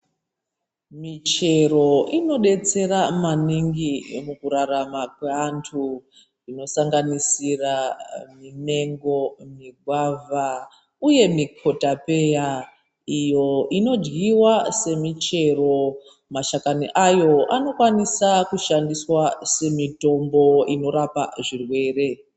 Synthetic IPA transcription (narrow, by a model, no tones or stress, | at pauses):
mit͡ʃe̞ro̞ino̞ɗe̞t͡se̞ɾamaniŋɡimukuɾaramak̚weantʰu | rino̞saŋɡanisiramine̞ŋɡo̞miɡʱwava | uje̞mikʰo̞tape̞ja | ijo̞ʔino̞d͡ʒɡiwase̞mit͡ʃe̞ro̞ | maʃakaniʔajo̞ʔano̞kwanisakuʃandiswase̞mito̞mbo̞ino̞ɾapa̰ʐirwe̞ːre̞